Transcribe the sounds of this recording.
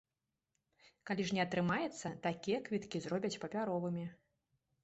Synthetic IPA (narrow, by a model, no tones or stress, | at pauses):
kalʲiʐnʲɛɐt̪ɾɨmajɛt̪sːɐt̪akʲijɛkvʲit̪kʲizrɔbʲɐt͡sʲpɐpʲaɾɔvɨmʲi